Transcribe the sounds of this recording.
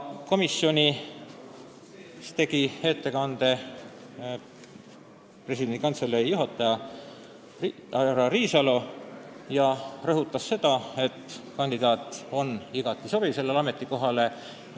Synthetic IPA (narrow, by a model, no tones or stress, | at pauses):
ko̞misːjo̞nʲi | st̪e̞ɡiet̪ːe̞kɑnd̪̥e̞ | pre̞sid̪end̪ikɑnt̪selːeɾijuɦɑt̪ːˑɑjɑ | ɾɑriːsɑlo̞jɑrɤɦut̪ːˑɑsːe̞d̪̥ɑe̞t̪ːkɑnʲd̪id̪̥ɑːt̪ːˑo̞niɡ̥ɑt̪ːˑiso̞b̥ise̞lːelɑme̞t̪ːˑiko̞ɦɑle̞